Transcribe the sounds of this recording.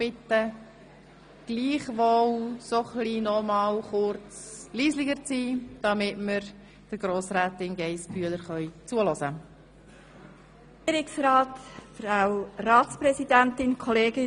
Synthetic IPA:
b̥ɪt̪ːə | ɡ̥liːχʋowsoχliːnɔmɑːlχʊɾt͡sliːsliɡəɾt͡siːd̥ɑmɪtməɾ | d̥əɡ̥ɾoːsɾæːtɪnɡɛɪspʰyələɾχœʏt͡suəlɔzə | iəɾɪksɾaːtfɾawɾɑːtspɾɛzidæntɪnkʰɔleːɡɪ

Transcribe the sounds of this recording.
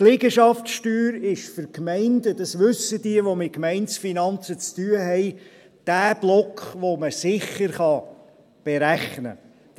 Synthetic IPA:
lɪɡəʃɑftʃtyːɾɪʃfʏɾkmɛɪndədɑsʋʏsːəd̥iəʋomɪt̚kmɛɪnsfinɑnt͡sət͡styəɦɛɪ | d̥æːb̥lɔkχʋoməsɪχəɾχɑ | b̥eɾæχnə̰

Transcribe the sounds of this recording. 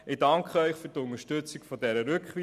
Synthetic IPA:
ɪd̥ɑŋkχəœʏχfyɾtʊnəʃtɵt͡sɪkfɔdɛɾəɾʉkχʋi

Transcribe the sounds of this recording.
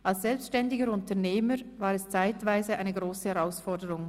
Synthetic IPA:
ʔalsz̥ɛlpstʃtɛndɪɡəɾʊntəneːməvaːʁɛst͡saɪtv̥aɪzəʔa̰ɪnəɡʁoːsəhɛʁaʊsfɔɐdəʁʊŋ

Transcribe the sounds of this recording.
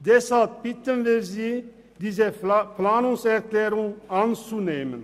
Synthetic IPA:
d̪ɛshalp̚b̥ɪt̪ənʋɪlziː | d̪iːzəpʰlaːnʊŋsɛʁklɛːɾʊŋant͡suneːmən

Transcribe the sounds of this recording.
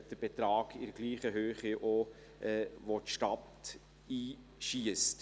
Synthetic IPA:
d̥əb̥et̪ɾɑːɡ̥ɪɾəɡ̥liːχəɦøːχiʔo | ʔɛʋotʃtɑt̪ | iː | ʃiəst

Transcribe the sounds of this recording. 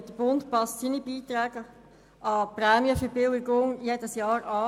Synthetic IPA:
td̥əb̥ʊntpɑstsinibiːt̪ɾɛːɡ̥ə | ɑpɾɛːmijəfəbɪlɪɡʊŋjed̥əsjɑːɾɑː

